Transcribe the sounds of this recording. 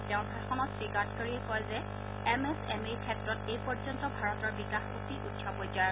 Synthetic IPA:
tɛʊ̃nbʱasɔnɔtsɹikaɹt̚kaɹiekɔjzɛ | ɛmɛsɛmekʰɛtɹɔtejpɔzɔntɔbʱaɹɔtɔɹbikaxotiʔutsabojzaj

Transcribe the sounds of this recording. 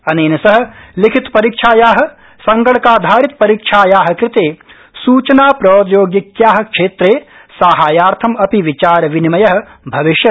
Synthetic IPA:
ɐneːnɐsɐɦɐ̆likʰit̪pɐɾiːkʂʰaːjaːɦɐ̆ | sɐŋɡɐɽɐkaːd̪ʱaːɾit̪̚pɐɾiːkʂʰaːjaːɦɐ̆kɾɪt̪eː | suːt͡ʃɐnaːpɾoːd̪joːɡjikjaːɦɐ̆kʂeːt̪ɾeː | saːɦaːjaːɾt̪ʰɐmɐpiʋit͡ʃaːɾɐʋinimɐjɐɦɐ̆ | bʱɐʋiʃjɐ

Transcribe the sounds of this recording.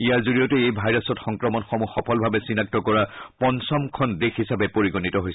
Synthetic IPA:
ijaɹzoɹijɔtɛejbʱajɹasɔtxɔŋkɹɔmɔnxɔmuxɔpʰɔlbʱabɛsinak̚tɔkɔɹapɔnsɔmkʰɔndexisabɛpoɹiɡonitɔɦojs

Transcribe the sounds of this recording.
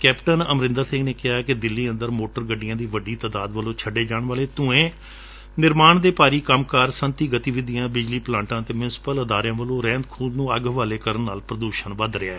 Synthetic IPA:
kɛːpʈənəmɾɪ̃nd̪əɾsɪ̃ŋɡneːkɪɦaːkɪd̪ɪlːiːə̃nd̪əɾmoːʈəɾɡəɖːɪjãːd̪iːʋəɖiːt̪aːd̪aːd̪ʋəlõːt͡ʃʰəɖeːd͡ʒaːɳʋaːleːt̪ʊ̃ẽː | nɪɾmaːɳd̪eːpaːɾiːkəmkaːɾsənt̪iːɡət̪iːʋɪd̪ɪjãːbɪd͡ʒliːplãːɳʈãːt̪eːmjʊnɪsɪ̥pələd̪aːɾjãːʋəlõːɾɛ̃ːnd̪kʰuːd̪nũːəɡʋaːleːkəɾənːaːlpɾəd̪uːʃənʋəd̪ɾɪa̰ːɛː

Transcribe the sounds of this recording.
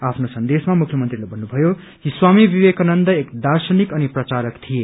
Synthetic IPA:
apʰnosʌnd̪esmamukʰjʌmʌnt̪rilabʱʌnːubʱʌjo | kiswamibibekanʌnd̪ʌekd̪arsʌnikʌniprʌt͡saɾʌkt̪ʰije

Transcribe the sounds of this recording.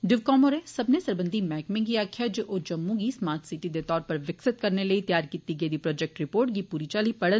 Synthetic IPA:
ɖɪʋkɔːməɾeːsəbnesəɾbə̃nd̪ʱimɛːkmɪ̃ɡiːaːkʰɪjaːd͡ʒeːʔoːd͡ʒəmːũɡiːsmaːɾt̪ʰsɪʈid̪et̪ɔːɾpəɾʋɪksɪt̪̚kəɾneləit̪jaːɾkiːt̪iɡəid̪iːpɾɔːd͡ʒɛk̚ʈɾɪpoːɾʈ̚ɡiːpuːɾit͡ʃaːliːpɐɽən

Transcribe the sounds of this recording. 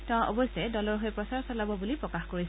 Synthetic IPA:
tãʔɔ̰bɔsɛdɔlɔɹɦojpɹɔsaɹsalabɔbulipɹɔkaxkoɹis

